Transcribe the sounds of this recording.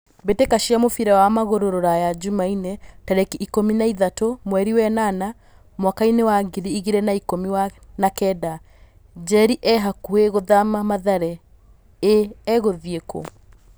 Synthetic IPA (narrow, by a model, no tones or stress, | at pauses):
betekaʃiamofiɾɛwamaɣoɾoɾoɾajad͡ʒumainetaɾɛkiʔikominaiðatomwɛɾiwɛnana | mwakainewaɡiɾiiɣiɾɛnaikomiwanakɛda | d͡ʒɛɾiʔɛɦakueɣoðamamaðaɾɛ | eːɣoðieko̰